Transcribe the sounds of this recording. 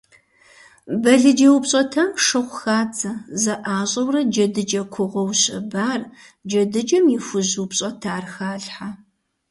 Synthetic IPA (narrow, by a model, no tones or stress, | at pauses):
bɐɮɨd͡ʒɐwpɕʼɐtʰaːmʂɨχʷxaːt͡sʰʼɐzɐʔaːɕʼɐwrɐd͡ʒɐdɨd͡ʒɐkʷʰʊʁʷɔwɕɪ̰baːr | d͡ʒɐdɨd͡ʒɐmjɪfʊʑupɕʼɐtʰaːrxaːɮħa